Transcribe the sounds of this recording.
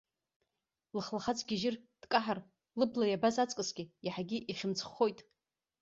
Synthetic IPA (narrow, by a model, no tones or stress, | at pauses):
lɨχlaχat͡sʰʼɡʲɪʒɪrd̥kʼaħar | lɨblajabazat͡sʼkʼɨsɡʲijaħaɡʲiʔiχʲɪmt͡sʰʼχo̞jtʼ